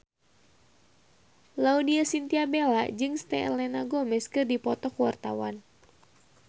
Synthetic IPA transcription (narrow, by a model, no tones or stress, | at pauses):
laudiasint̪iabela̰d͡ʒɨŋst̪ɛɛ̰lɛnaɡomɛskɨrdipɔt̪ɔkuwart̪a̰wa̰n